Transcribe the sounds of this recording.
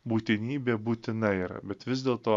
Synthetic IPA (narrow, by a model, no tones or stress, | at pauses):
buːt̪ʲɪnʲiːbʲeːbuːt̪ʲɪnɐɪɾbʲɛt̪ʋʲɪzʲd̪ʲeːlˠt̪oː